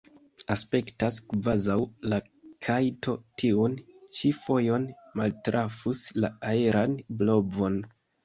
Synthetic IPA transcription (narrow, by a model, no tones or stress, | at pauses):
aspe̞ktaskvazawla | kʰajto̞tʰiunt͡ʃifo̞jo̞nmaltɾʔafuslaaeɾanblo̞vo̞n